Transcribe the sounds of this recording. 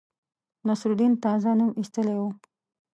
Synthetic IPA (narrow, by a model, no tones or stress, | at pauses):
nasɾud̪int̪ɑzanumist̪əlewu